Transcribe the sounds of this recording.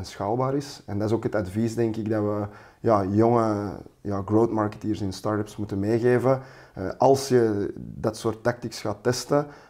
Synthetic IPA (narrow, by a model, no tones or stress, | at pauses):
nsxaːlˠbaːɾɪsɛndɑɪzoːkɦətɑdvisdɛŋkɪɡdɑʋə | jaːjɔŋəjaːɡrowtmɑɹkə̥tiːrsɪnstɑɹtəpsmutənmeːɣeːvə | ʔɑlˠsjədɑtsoːrtːak̚tiksxaːtːɛstə